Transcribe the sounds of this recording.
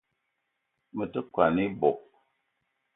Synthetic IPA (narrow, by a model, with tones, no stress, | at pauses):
mə˨tə˦kwa˨ni˦bɔ˨p̚